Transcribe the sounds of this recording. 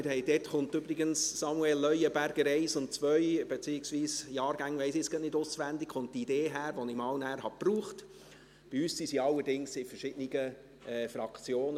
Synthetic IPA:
ɪɾhɛɪjd̥ɛtχʊntybɾɪɡənssɑmuɛlːœjəbæɾɡ̥əɾɛɪsʊnt̚t͡sʋœʏb̥et͡siːɪksʋiːsjɑːɾɡ̥æŋʋɛɪsɪsɡ̥ɑtnɪdʊsʋændɪkχʊnt̚tideːɦæːɾʋɔnɪmɑwnæːɾhɑpruːχt | b̥iyːssisiɑlːəɾdɪŋsɪfərʃɪd̥ənɪɡə | ɛːfɾɑkt͡sjoːnə

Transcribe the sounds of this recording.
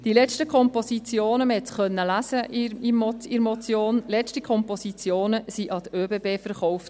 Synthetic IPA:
d̥ilɛstəkʰɔmposit͡sjoːnəməhɛtχœnːəlæsəimɔiɾmɔt͡sjoːnlɛstikʰɔmposit͡sjoːnəsiʔɑd̪əøːbeːbeːfəɾχɔʊft

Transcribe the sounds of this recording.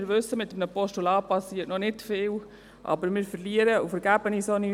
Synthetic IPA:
ɾʋʏsːəmɪtːəmnəpɔʃtulɑːpɑsiːətnɔnɪtfɪːl | ʔɑ̰bəɾmɪːɾfəɾliəɾəufəɾɡæbənisoni

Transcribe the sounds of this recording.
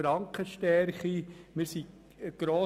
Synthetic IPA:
ɾɑŋkʰχəʃtɛɾχimɪɾsi | ɡ̥ɾoː

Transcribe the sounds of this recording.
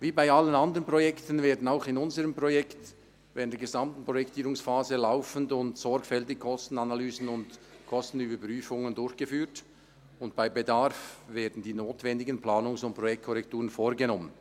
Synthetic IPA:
viːbaɪalənandəʁənpʁ̥ɔjɛktən̩veːɐdn̩aʊxɪnʊnzəʁəmpʁɔjɛkt | vɛːdn̩d̥eːəɡezamtn̩pʁ̥ojɛktʰiːɾʊŋsfaːzəlaʊfn̩dʊntsɔɾɡfɛltɪɡkʰɔstn̩analyːzn̩ʊntkʰɔstn̩yːbəpʁyːfʊŋəndʊɾçɡ̥əfyːt | ʊntb̥aɪbedaʁfveːɐdn̩diːnoːtvɛndɪɡənplaːnʊŋsʊnt̚pɾɔjɛktkʰɔʁɛktuːʁənfoːɾɡənɔmən

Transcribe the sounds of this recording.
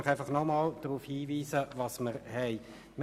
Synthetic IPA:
ɪχæɪfɑχnɔmɑːld̥̪ɾuːfhiːviːsəvɑsməɾhɛɪ | m

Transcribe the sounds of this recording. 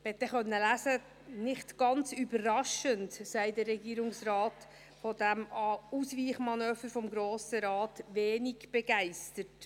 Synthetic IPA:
ɛt̪ːɛχœnːəlæsə | nɪχtɡ̥ɑnt͡sybəːɑʃəntsɛɪtdəɾːɛɡiːɾʊŋsrɑːt | fɔdæmɑusʋiːχmɑnœːfəɾfɔmɡɾoːsəɾɑːtʋeːnɪɡb̥ɛɡ̥æɪstət

